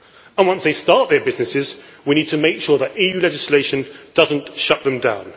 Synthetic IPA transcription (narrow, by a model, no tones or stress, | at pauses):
ə̃nwʌ̃nsðeɪstɑˑʔ̚ðəbɪznɪsɪzwiñiːd̚tʰəmeɪkʃɔːðətijʉːlɛd͡ʒɪsleɪʃə̃nd̥ʌzə̃nʔʃʌʔ̪̚ðə̃mdãʊ̃n